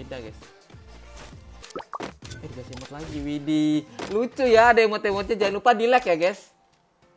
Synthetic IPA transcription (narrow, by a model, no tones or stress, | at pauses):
daɡɛs | adiɡasimat̪laɡiwidilut͡ʃujadaimɔt̪emot̪̚ɲad͡ʒainlupadilɛkjaɡɛs